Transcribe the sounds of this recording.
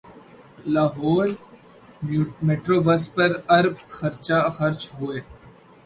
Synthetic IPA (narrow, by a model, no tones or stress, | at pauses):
laːɦoːɾ | meːʈɾoːbɐspɐɾɐɾbxɐɾt͡ʃaxɐɾt͡ʃɦoːeː